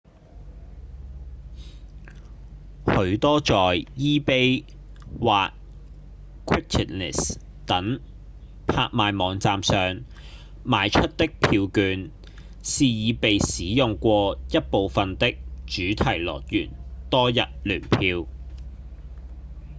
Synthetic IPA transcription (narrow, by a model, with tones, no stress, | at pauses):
hɵ˨˧˥ɥt̪ɔː˥t͡sɔː˨jjiː˥pe˥j | waː˨k̚ | kʰwɪ˥kʰɪ˨t̚nɛ̰˨˩s | t̪ɐ˨˥ŋ | pʰa̰ː˧k̚maː˨˧jmɔː˨˧ŋt͡saː˨msœː˨ŋ | maː˨˧jt͡ʃʰɵ˥t̚t̪ɪ˥k̚pʰiː˧wkyː˨˧n | siː˨jiː˨˧pe˨jsiː˨˥jʊ˨˩ŋkʷɔː˧jɐ˥t̚po˨˧wfɐ˨nt̪ɪ˥k̚t͡ʃyː˨˥t̪ʰɐ˨˩jlɔ̰ː˨k̚jyː˨˩nt̪ɔː˥jɐ̰˨t̚lyː˨˩npʰiː˧w